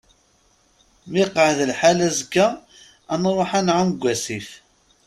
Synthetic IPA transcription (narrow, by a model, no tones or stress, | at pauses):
mɪqəʕðlħalæzəkːaː | nɾˤoħanʕamɡʷːæsif